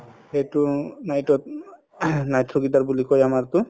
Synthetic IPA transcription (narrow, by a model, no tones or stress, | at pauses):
hejtunajtɔt̪̚ | najt̪ʰɾuɡit̪aɹbulikɔjamaɾt̪ʊ